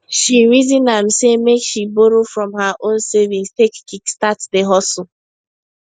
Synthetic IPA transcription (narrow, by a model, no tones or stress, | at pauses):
ʃiɾizinam̩semekʃiboɾofɾɔ̃mɦaʔonsevĩnstekkikstatdeɦɔs̩